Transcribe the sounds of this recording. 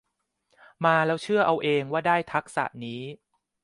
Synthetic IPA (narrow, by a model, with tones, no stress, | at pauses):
maː˧lɛː˦˥wt͡ɕʰɯ˥˩ɐʔa˧wʔeː˧ŋwaː˥˩daː˥˩jt̪ʰa˦˥k̚sa̰˨˩ʔniː˦˥